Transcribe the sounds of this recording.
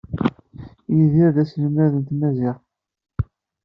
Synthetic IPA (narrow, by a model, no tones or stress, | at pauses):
jiðiæðæsləmæðənt̪mæziʁ